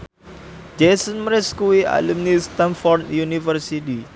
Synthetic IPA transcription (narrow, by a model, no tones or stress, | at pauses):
d͡ʒesənməɾɛskuiʔa̰lumnist̪ãnfɔrd̪̚junifərsit̪i